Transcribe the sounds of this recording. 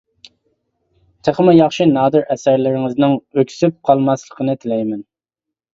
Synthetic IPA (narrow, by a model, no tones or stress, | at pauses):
t̪ʰeχəmɪjɑχʃinɑːd̪ɨɾʔɛsæɾlɪɾɪŋɪznɪŋøkʲsyp̚qʰɑlˠmɑslˠəqʰənɨt̪ʰɪlɛjmɛn